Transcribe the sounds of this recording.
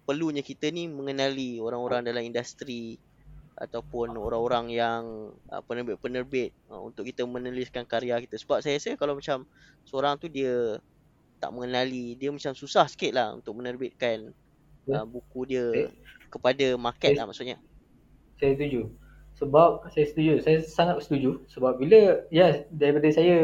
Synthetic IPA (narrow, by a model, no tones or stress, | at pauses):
pərluɲakit̪ənimə̃ŋənalioɾaŋoɾaŋdalamindast̪ɾi | a̰t̪awpʊnoɾaŋoɾaŋjaŋə̰pənərbɪt̪̚pənərbɪt̪̚ṵnt̪ʊʔkit̪əmə̃nəliskankaɾiakit̪əsə̥bap̚sajasəkalawmat͡ʃam | səoɾaŋt̪udiə | t̪a̰ʔmə̃ŋənalidiəmat͡ʃamsusahsə̥kɪt̪̚lahṵnt̪ʊk̚mənərbɪt̪̚kan | əbukudiəkəpadamakɛlahma̰ʔsuʊt̪̚ɲa | sajast̪ud͡ʒu | səbap̚sajasə̥t̪ud͡ʒusajasaŋat̪̚sə̥t̪ud͡ʒusəbap̚biləjɛdaɾipadəsaja